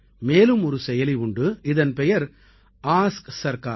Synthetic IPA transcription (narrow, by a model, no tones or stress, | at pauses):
meːlɯmɔɾɯsɛjɐlɪʊɳɖɯɪðɐnpɛjɐɾ | aːsksɐɾka̰ː